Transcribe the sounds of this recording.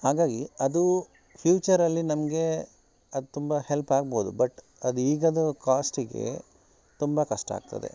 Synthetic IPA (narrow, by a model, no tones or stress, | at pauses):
haːɡaːɡiɐd̪u | pʰjuːt͡ʃɐɾɐlːinɐmɐɡe̞ | ɐd̪ut̪umbɐhelpaːɡboːd̪ubɐʈ | ɐd̪uiːɡɐd̪ukaːsʈiɡe̞̰ | t̪umbɐkɐʂʈɐa̰ːɡ̚t̪ɐ̰d̪ḛ